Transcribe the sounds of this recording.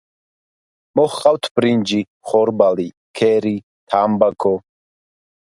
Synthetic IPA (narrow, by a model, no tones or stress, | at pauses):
mɔχqʼawt̪ʰbɾind͡ʒi | χɔɾbali | kʰɛːɾi | t̪ʰaːmbakʰɔ